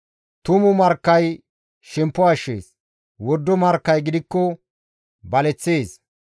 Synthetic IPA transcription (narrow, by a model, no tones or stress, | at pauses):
t̪ʊmʊmɐɾkːɐj | ʃɛmpːɔɐʃːḛːs | wɔd̪ːɔmɐɾkːɐjɡɪd̪ɪkːɔ | bɐlɛt͡sːe̞ːs